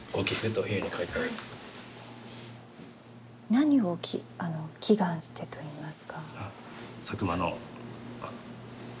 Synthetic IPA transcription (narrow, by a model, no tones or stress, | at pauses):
ɡ̥okʲikɯt̪oçɯɲ̟ikʰait̪aɾɯ | naɲ̟io̞kʰʲiano̞kʲʰiɡãɰ̃ɕɨ̥t̪e̞t̪o̞iːmasɨ̥kʰaa | sakɯ̟mano̰